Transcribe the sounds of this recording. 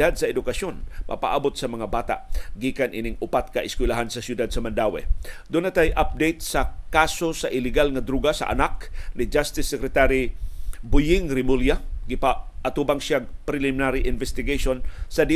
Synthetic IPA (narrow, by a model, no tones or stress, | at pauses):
ad̪̚sɐɛd̪ʊkasjonmʔɐ̰pa̰ʔabot̪̚sɐmɐŋabaːt̪a̰ʔɡiːkanʔinɪŋʊpat̪̚kɐʔɪskwɪlaɦansɐsjʊd̪ad̪̚sɐmand̪aːwɛ̰d̪ʊnat̪ajʔap̚d̪ejt̪̚sɐkasosaʔɪlɪɡalŋɐd̪ɾuɡasɐ̰ʔa̰naknɪd͡ʒast̪ɪsːɛkɾɛt̪aɾibʊjɪŋɾɪmuljaɡɪpaʔat̪ubaŋsjaɡ̚pɾɪlɪmɪnaɾiʔɪnvɛst̪ɪɡeʃonsɐd̪i